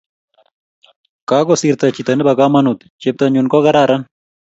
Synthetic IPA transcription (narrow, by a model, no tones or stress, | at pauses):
kaɡɔsiɾt̪at͡ʃit̪anbɐɡamɐnut̪ | t͡ʃep̚t̪aɲunkɔɡɐɾaɾan